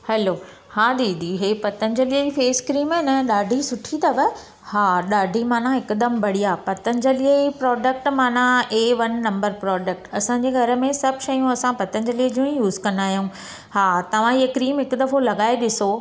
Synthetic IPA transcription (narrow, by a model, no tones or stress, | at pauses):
hɛloː | haːd̪iːd̪ʱiɦeːpɐt̪ənd͡ʑəliəifeːskɾiːmɪnəɗaːɖʱisʊʈʰit̪ɐʋə | haːɗaːɖʱimaːnãɪkd̪əmbʱɐɽ̤ijapɐt̪ənɪ̆d͡ʑɐliəipɾɔːɖək̚ʈmaːnãeːʋɐnːɐ̃mbəɾpɾɔːɖək̚ʈɐsãɲd͡ʑeːɡʱɐɾə̆mẽsɐbʱʃɐjũɐsãpɐt̪ən̆d͡ʑɐliəd͡ʑũːĩjuːzkɐ̃nd̪aːɦjũ | haːt̪ɐʋ̤ãiɦəkɾiːmɦɪkʊd̪ɐfolɐɠaːeɗɪso